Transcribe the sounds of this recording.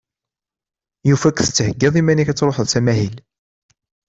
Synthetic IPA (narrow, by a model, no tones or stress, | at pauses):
jufækːθə̥t͡s̪ːəhəɡːɪðˤimæniçæt͡sːɾˤoħəðˤsæmæhil